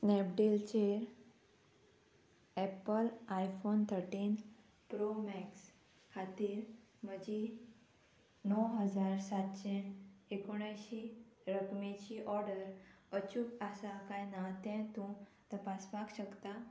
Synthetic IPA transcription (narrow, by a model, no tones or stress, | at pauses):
snɛp̚ɖilt͡ɕeɾ | ɛpəlajfont̪ʰəɾʈin | pɾomɛks | kʰat̪iːɾməd͡ʑi | nɔɦəd͡zaɾsat̪ɕeekoɽ̃ajɕiɾəkmẽt͡ɕiʔɔɾɖəɾət͡ɕukasakajnat̪ɛ̃t̪ũt̪əpaspakɕəkt̪a